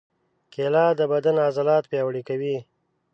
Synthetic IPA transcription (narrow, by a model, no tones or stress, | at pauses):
kelɑd̪əbad̪anazalɑt̪̚pjɑwɽikawi